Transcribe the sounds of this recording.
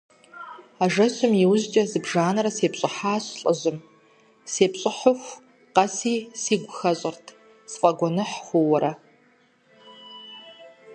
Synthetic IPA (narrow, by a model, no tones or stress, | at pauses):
aːʒɐɕʊmjɪwʊʑt͡ʃʼɐzɨbʒaːnɐɾɐseːpɕʼɪħaːɕɬʼɐʑɨm | seːpɕʼɪħʊxʷ | qɐsiːsiːɡʷʊxɐɕʼɪrtʰ | sfʼɐɡʷɔnɨħxʷʊwɐɾɐ